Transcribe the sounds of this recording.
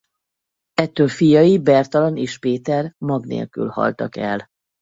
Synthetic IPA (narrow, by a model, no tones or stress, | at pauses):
ɛt̪ːøːlfijɒjibɛrt̪ɒlɒneːʃpeːt̪ɛrmɒɡnḛːlky̰lhɒ̰lt̪ɒkɛl